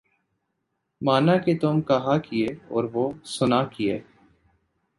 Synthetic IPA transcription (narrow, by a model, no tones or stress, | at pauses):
maːnaket̪omkɐɦakɪeːɔːɾʋosʊnaːkɪjeː